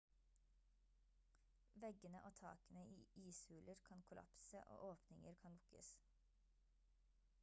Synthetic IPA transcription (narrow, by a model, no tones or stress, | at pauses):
ʋɛɡənəʔoːt̪ʰɑ̰ːkənəʔiːiːshʉːləɾkʰɑnkʰʊlɑ̰psəʔo̰ːʔoːpnɪŋəɾkʰɑnlʊkə̰s